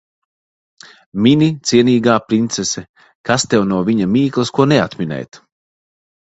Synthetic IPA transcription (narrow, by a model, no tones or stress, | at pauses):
mʲinʲit̪siɛniːɡaːpɾint̪sesɛ | kast̪ɛwnuɔvʲiɲamiːklˠɨskuɔneat̪mʲinɛ̰jt̪